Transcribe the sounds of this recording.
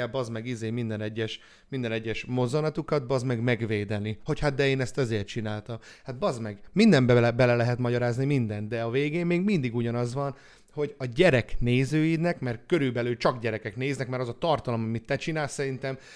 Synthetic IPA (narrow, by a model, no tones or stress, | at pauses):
ɛlbɒzmɛɡizeːmind̪ɛnɛɟːɛʃ | mind̪ɛnɛɟːɛʃmo̞zonɒt̪ukɒd̪̚bɒzmɛɡmɛɡveːd̪ɛniho̞chad̪̚d̪ɛeːnɛst̪ɒzeːrt̪t͡ʃinaːlt̪ɒmhad̪̚bɒzmɛɡmind̪ɛmbɛbɛlɛlɛɦɛt̪mɒɟɒɾaːznimind̪ɛnd̪d̪ɛɒveːɡeːmːeːɡmind̪iɡuɟɒnɒzʋɒn | ho̞ɟɒɟɛɾɛkneːzøːid̪nɛkmɛrkø̞ɾylbɛlyːt͡ʃɒɡɟɛɾɛkɛkneːznɛkmɛɾɒzɒt̪ɒrt̪ɒlomɒmit̪ːɛt͡ʃinaːlssɛɾint̪ɛm